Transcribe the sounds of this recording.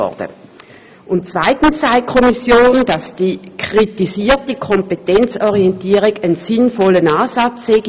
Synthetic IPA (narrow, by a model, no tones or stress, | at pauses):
ɔ̰d̥ə̰ | ʔʊntt͡sv̥aɪtn̩sːaɪkʰɔmisjoːnd̥ɑsd̥iːkʰʁ̥itisiːɐtəkʰɔmpetɛnt͡sɔʁiɛntiːʁiɡənsɪnfɔlənɑːzɑt͡sːeːɡ